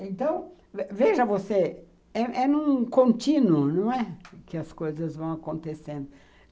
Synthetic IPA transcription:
ẽnt̪ɐ̃w̃ | veʒɐvose | ɛʔɛnũkõnt̪ĩnʊnɐ̃w̃ɛkɪɐskojzɐzvɐ̃w̃akõnt̪esẽnd̪ʊ

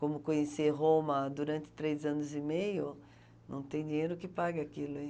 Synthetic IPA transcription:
kõmʊkõɲeseɦõmɐd̪uɾɐ̃nt͡ʃ̪ɪ̥t̪ɾejzɐ̃nʊzimejʊ | nɐ̃w̃t̪ẽj̃d͡ʒ̪ĩɲejɾʊkɪpaɡɪakilʊĩ

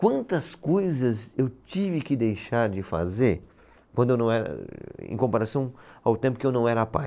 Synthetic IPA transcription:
kwɐ̃nt̪ɐskojzɐzewt͡ʃivɪkɪd̪ejʃaɾd͡ʒɪfa̰zeɾ | kwɐ̃d̪ʊewnɐ̃w̃ɛɾɐ̰ḛ̃kõpaɾasɐ̃w̃awt̪ẽmpʊkɪewnɐ̃w̃ɛɾɐapa̰

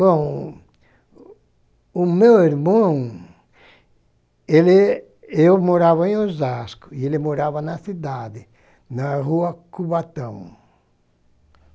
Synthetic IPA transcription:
bõw̃ | ʊmewiɾmɐ̃ | elɪ | ewmoɾavɐẽj̃ozaskʊ̥ielɪmoɾavɐnɐsid̪ad̪ɪ | nɐɦuɐkubat̪ɐ̃w̃

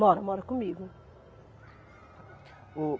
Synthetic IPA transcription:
mɔɾɐmɔɾɐkomiɣʊ | u

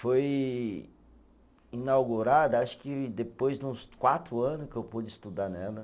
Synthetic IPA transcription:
foj | inawɡuɾad̪ɐaʃʊ̥kɪd̪epojzd̪ɪũskwat̪ɾʊɐ̃nʊkɪewpud͡ʒɪist̪ud̪anɛlɐ

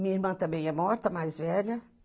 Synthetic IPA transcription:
mĩɲɐiɾmɐ̃t̪ɐ̃mbẽj̃ɛmɔɾt̪ɐmajzvɛʎɐ

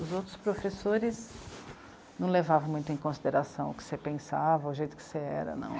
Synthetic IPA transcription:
ʊzowt̪ɾʊ̥spɾofesoɾɪs | nɐ̃w̃levavɐ̃w̃mũj̃t̪ʊẽj̃kõsid̪eɾasɐ̃w̃ʊ̰kɪ̥sepẽsavɐʊʒejt̪ʊ̥kɪ̥seɛ̰ɾɐ̰nɐ̰̃w̃

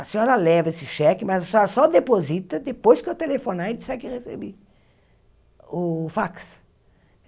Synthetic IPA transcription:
ɐsiɔɾɐlɛvɐesɪʃɛkɪmazɐsɔɾɐsɔd̪epozit̪ɐd̪epojskat̪elefonaẽt̪isɛkɪʁesḛbi | ʊfaks

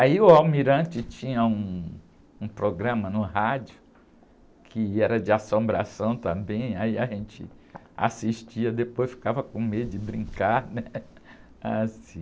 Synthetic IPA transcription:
aiʊawmiɾɐ̃t͡ʃɪt͡ʃĩɲɐũː | pɾoɡɾɐ̃mɐnʊhad͡ʒjʊ | kʰɪɛɾɐd͡ʒɪasõmbɾa̰sɐ̃w̃t̪ɐ̃mbẽj̃aiaʒẽnt͡ʃɪ̰ | a̰siʃt͡ʃiɐd̪epojsfi̥kavɐkõmed̪ʊɪbɾĩŋkaɾnɛ | asĩ

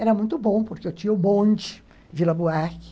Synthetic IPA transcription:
ɛɾɐmũj̃t̪ʊbõpoɾkeʊt͡ʃ̪iʊbõnd͡ʒi̥ | vilɐbuaki̥

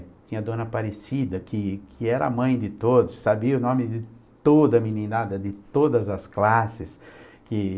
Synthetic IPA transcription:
t͡ʃ̪ĩɲɐd̪õnɐpaɾesid̪ɐkɪkʰɪɛɾɐa̰mɐ̃j̃d̪ɪt̪od̪ʊsːabiɐʊnõmɪd̪ɪt̪od̪ɐminĩnad̪ɐd̪ɪt̪od̪ɐzɐsklasɪs | kɪ

